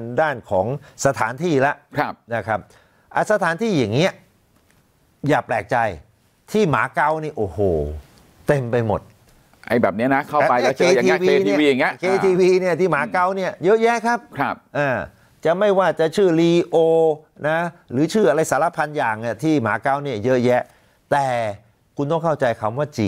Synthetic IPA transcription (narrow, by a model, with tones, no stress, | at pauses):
ndaː˥˩nkʰɔː˩˦ŋsa˧t̪ʰaː˩˦nt̪ʰiː˥˩la˦˥ʔkʰa˦˥˩p̚na˥˩kʰa˦˥p̚ | ʔa˧˩sa˧t̪ʰaː˨˦nt̪ʰiː˥˩ja˨˩ŋːi˦˥ɐ | jaː˨˩plɛː˨˩k̚t͡ɕa˧j | t̪ʰiː˥˩maː˩˦ka˦˥wniː˥˩ʔoː˨˩hoː˨˩ | t̪e˧mpa˧jmo̰˨˩t̪̚ | ʔa̰˧jbɛː˨˩p̚ni˦˥ɐna˦˥kʰa˥˩˧a˧ja˥˧˩kʰeː˧˨iː˦˥wieː˧i˥˩iː˧˨˩ŋːi˦˥ɐkʰeː˧iː˧wiː˧ni˥˩ɐt̪ʰiː˥˩maː˨˦ka˧˥wni˥˩ɐjɤ˦˥jɛ˦˥kʰa˦˥p̚kʰa˦˥˩p̚ʔaː˧˩ | t͡ɕa˨˩ma˥˩jwaː˥˩t͡ɕa˨˩t͡ɕʰɯː˥˩liː˧ʔoː˧ | na˦˥ɾɯː˩˦t͡ɕʰɯː˥˩ʔa˧ɾa˧jsaː˩˦la˦˧˥pʰa˧njaː˨˩ŋni˥˩t̪ʰiː˥˩maː˨˩˦ka˦˥˩wni˥˩ɐjɤ˦˥jɛ˦˥ʔ | t̪ɛː˨˩ | kʰu˧nt̪ɔ˥˩ŋkʰa˥˩wt͡ɕa˧jkʰa˧mwaː˥˩t͡ɕiː˧